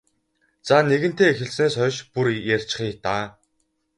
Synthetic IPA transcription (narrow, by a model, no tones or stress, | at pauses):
t͡saneɣɘ̆n̥t̪eːexɘ̆ɮsneːsχœʃpuɾjær̥ʲt͡ɕ̆χiːt̪aː